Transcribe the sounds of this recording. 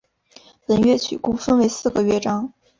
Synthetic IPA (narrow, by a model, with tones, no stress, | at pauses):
pə˧˩nɥɛ˥˩t͡ɕʰy̰˨˩ku˥fə˥nwe˧˥ɪsɹ̩˥˩ɡə˩ɥɛ˥ʈ͡ʂɑ˥ŋ